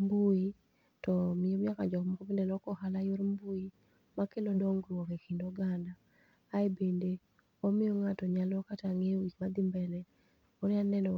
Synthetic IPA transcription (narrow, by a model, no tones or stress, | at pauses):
mbui | tɔmɪomakad͡ʒɔkmɔkobendelɔkɔhalajoɾmbui | makelɔdɔŋɡrwɔkekʰindoɡandaː | ebende | ɔmɪjoŋatɔɲalɔkataŋeɡikmad̪ɪmbɛnɛ | ɔnɪanɛnɔ